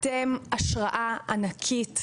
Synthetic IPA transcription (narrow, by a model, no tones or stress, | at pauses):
temaʃʁaʔaanakʰit